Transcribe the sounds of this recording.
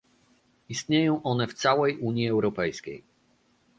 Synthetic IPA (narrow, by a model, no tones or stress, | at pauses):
ist̪̚ɲejɔ̃w̃ʔɔnɛft̪sawɛjuɲjiɛwɾɔpɛjskʲḛj